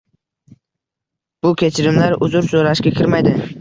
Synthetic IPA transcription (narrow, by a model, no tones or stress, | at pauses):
b̥ʊkʲʰe̞t͡ʃʰɪɾɪmlaɾʊzʊɾsoɾaʃkʲakʲʰɪɾmajd̪ɪ